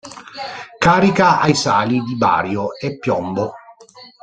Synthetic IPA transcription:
kaːɾikaajsaːlid̪iba̰ːɾjoepːjɔmbo

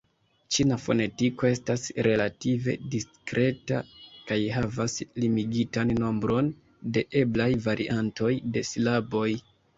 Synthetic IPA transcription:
t͡ʃinafo̞ne̞tiko̞e̞stasɾe̞lative̞̰diskɾe̞ta̰kajɦavaslimiɡitanːo̞mbɾo̞n | de̞ʔe̞blajvaɾʔiʔanto̞jde̞slabo̞j

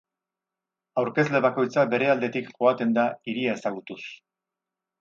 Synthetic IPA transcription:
awɾke̞zle̞βako̞jt͡sabe̞ɾe̞ald̪e̞t̪ikʝo̞at̪e̞nd̪aiɾiaesaɣ̞ut̪us

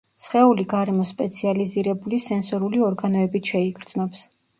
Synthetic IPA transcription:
sχɛuliɡaɾɛmɔspʼɛt̪sʰializiɾɛbulisɛnsɔɾuliɔɾɡanɔɛbit̪ʃɛiɡɾd̪znɔps

